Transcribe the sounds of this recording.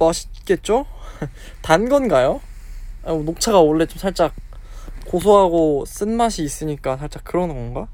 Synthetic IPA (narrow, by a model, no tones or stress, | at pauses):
maɕʰi̥t̚k͈e̞t̚t͡ɕ͈o | tanɡʌnɡajo | anok̚t͡ɕʰaɡaoɭːe̞t͡ɕomsʰaɭt͡ɕ͈ak̚kosʰoɦaɡos͈ɯnmaɕʰiːs͈ɯɲik͈asʰaɭt͡ɕ͈akɯɾʌnɯŋɡʌnɡa